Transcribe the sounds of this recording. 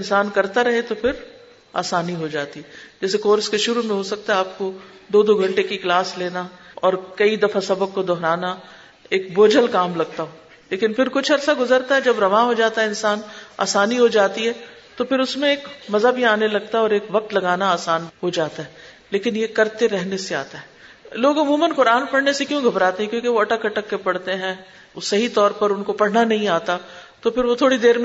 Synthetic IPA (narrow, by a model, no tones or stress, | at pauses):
nsaːnkɐɾt̪aɾɐɦet̪opʰɪɾ | a̰ːsaːniɦod͡ʒaːt̪iɦɛd͡ʒɛːsekoːɾskeʃʊɾumẽɦosɐk̚t̪aɦɛaːp̚kod̪oːd̪oɡʱɐ̃ɳʈekiklaːsleːnaɔːɾkɐid̪ɐfasɐbəkːod̪ɔɦɾaːna | eːkboːd͡ʒəlkaːmlɐɡ̚t̪aɦoː | leːkɪnfɪɾkʊt͡ʃʰɐɾsaɡʊzəɾt̪aɦɛd͡ʒɐbɾɐʋaɦod͡ʒaːt̪aɦɛɪnsaːna̰ːsaːniɦod͡ʒaːt̪iɦɛː | t̪ofɪɾʊsmẽeːkmɐzabʱiaːnelɐɡ̚t̪aɔːɾeːkʋɐq̚t̪lɐɡaːnaaːsaːnɦod͡ʒaːt̪aɦɛː | leːkɪnjekɐɾt̪eɾɛɦnesea̰ːt̪aɦɛːloːɡɐmuːmənqʊɾaːnpɐɽ̤nesekjõɡʱɐbɾaːt̪eɦɛ̃kjõːkeʋoɐʈəkːɐʈəkːepɐɽt̪eɦɛ̃ | sɐɦit̪ɔːɾpɐɾʊnkopɐɽ̤nanɐɦĩaːt̪at̪ofɪɾʋot̪ʰoːɽid̪eːɾm